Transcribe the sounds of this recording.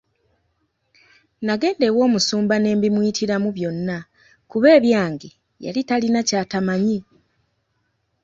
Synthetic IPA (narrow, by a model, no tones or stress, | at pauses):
naɡe̞ːndewo̞ːmusuːmbane̞ːmbimwiːtʰiɾamuβjo̞nːa | kuβe̞ːβjaːŋɡe | ja̰litalinacaːtamaɲi